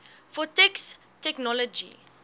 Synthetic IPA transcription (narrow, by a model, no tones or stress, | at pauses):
fɔtɛks | tɛknɔləd͡ʒḭ